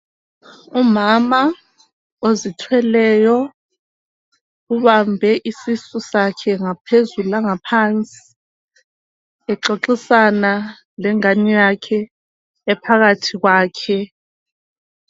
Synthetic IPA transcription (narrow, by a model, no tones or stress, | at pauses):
umama | ozitʰwɛlɛjɔ | uβambʱɛʔisisusakʰɛŋapʰezuulaŋapʰant͡sʼi̥ | ɛǁoǃisana | lɛŋanijakʰɛː | pʰaɣatʰiɣwaːkʰɛ